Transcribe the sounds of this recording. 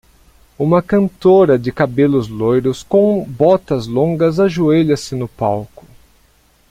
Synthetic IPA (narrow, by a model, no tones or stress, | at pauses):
ũmɐkɐ̃nt̪oɾɐd͡ʒɪkabelʊzlojɾʊskõbɔt̪ɐzlõŋɡɐzaʒueʎɐsɪnʊpawkʊ̥